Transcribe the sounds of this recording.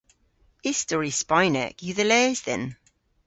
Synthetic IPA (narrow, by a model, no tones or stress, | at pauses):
ɪstɔɹispaɪnɛ̰kjəðəlɛːzðɛ̰n